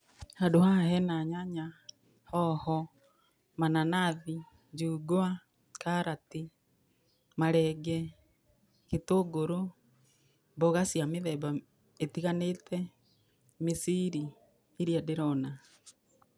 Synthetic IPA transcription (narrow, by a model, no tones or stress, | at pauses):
hadohahɛnaɲaɲa | hɔhɔ | mananaði | d͡ʒuːɡoa | kaɾati | maɾɛɡɛ | ketoːɡoɾo | mbɔɣasjameðɛba | etiɣanetʰɛ | misiɾi | eɾiadeɾɔna